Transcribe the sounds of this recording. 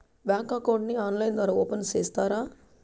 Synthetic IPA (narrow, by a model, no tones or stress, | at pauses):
bjaːŋkaːkoːɖniaːnlɐjnd̪ɐɾɐoːpɐnst͡ʃeːst̪aːɾaː